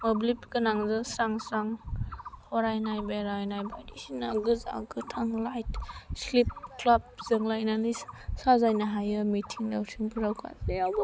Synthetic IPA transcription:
moblipkɯnaŋzɯsɾaŋsɾaŋ | hɔɾajnajbaɾajnajbajdisinaɡɯza̰ɡɯtʰaŋlajtslip̚klab̚zɯŋlajnalissazajnaɦajɯmitʰiŋdawsʰiŋpʰɯɾawkʰa̰zab

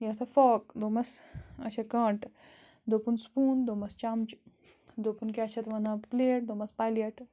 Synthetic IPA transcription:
jɐt̪ʰɐfɔːk̚d̪oːmɐsɐ̰t͡ʃʰɐkɐ̃ːɳʈ | d̪opunspuːnd̪oːmɐst͡ʃɐmt͡ʃ | d̪opunkaɐt͡ʃʰɐt̪ʋɐnãpleːʈ̚d̪oːmɐspaːleʈ

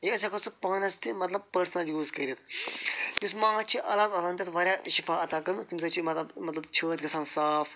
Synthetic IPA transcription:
jes̬ekʰɐsɨpaːnɐst̪imɐt̪lɐb̚pəɾsnɐljuːskɐɾʲit̪ | jusmãːt͡ʃʰiʔɐlaːd̪ɐt̪aːnt̪ʲɐt̪ʋɐɾʲjaːʃifaːɐt̪aːkɐɾnt̪ims̬ɐt͡ʃʰimɐt̪lɐbmɐt̪lɐbt͡ʃʰəːɾʲkɐsaːnsaːf

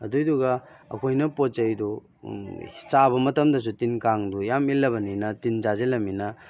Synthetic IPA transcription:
ɐ̰dujduɡɐɐ̰kʰojnɐpott͡ʃejdɔ | t͡ʃabɐmɐtɐmdɐs̬utinkaŋdujamilːɐbɐninɐtinzazelɐminɐ

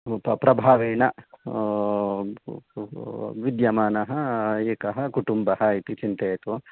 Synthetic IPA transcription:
ppɾɐbʱaːʋeːnɐ | ʋid̪jɐmaːnɐɦɐeːkɐɦɐkuʈumbɐɦɐit̪it͡ʃint̪eːt̪u

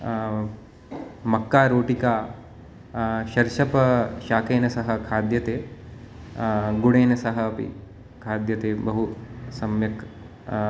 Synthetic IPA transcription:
mɐkːaːɾoːʈikaː | ʃɐɾʃɐpɐʃaːkeːnɐsɐɦɐ̆kʰaːd̪jɐt̪eː | ɡuɽeːnɐsɐɦɐ̆ɐpḭ | kʰaːd̪jɐt̪eːbɐɦusɐmjɐk

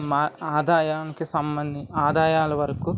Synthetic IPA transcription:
maːaːd̪aːjaːnikisɐmbɐnd̪iaːd̪aːjaːlɐʋɐɾɐku

